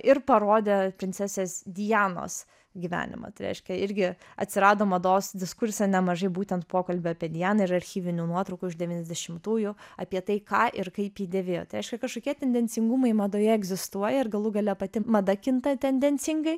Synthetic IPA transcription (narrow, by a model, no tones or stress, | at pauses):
ʔɪɾpɐɾoːd̪ʲepʲɾʲɪnʲt͡s̪ʲɛsʲeːsd̪ʲɪjæːno̰ːs | ɡʲiʋʲæ̰ːnʲɪ̰mɐ̰t̪ɐɪɾʲɛ̰ɪʃʲkʲɛɪɾʲɡʲɪɐt̪ʲsʲɪɾɑːd̪oːmɐd̪oːsd̪ʲɪskʊɾʲsʲɛnʲɛmɐʒɐɪbuːt̪ʲɛnt̪poːkɐlʲbʲɪɐpʲiɛd̪ʲɪjæːnɐɪɾɐɾʲxʲiːʋʲɪnʲunuɔt̪ɾɐʊkʊɪʒd̪ʲɛʋʲiːnʲɛzd̪ʲɛʃʲɪmt̪uːjʊɐpʲiɛt̪ɐɪkɑːʔɪɾkɐɪpjiːd̪ʲeʋʲeːjoːt̪ɐɪɾʲɛɪʃʲkʲɛkɐʃkoːkʲiɛt̪ʲɛnʲd̪ʲɛnʲt͡s̪ʲɪŋɡʊmɐɪmɐd̪oːjɛɛɡzʲɪst̪uɔjɛɪrɡɐlˠʊɡɐlʲɛpɐt̪ʲɪmɐd̪ɐkʲɪnt̪ɐt̪ʲɛnʲd̪ʲɛnʲt͡s̪ʲɪŋɡɐɪ